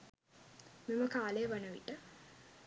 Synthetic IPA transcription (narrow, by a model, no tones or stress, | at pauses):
miməkaːleəʋanəʋḭʈə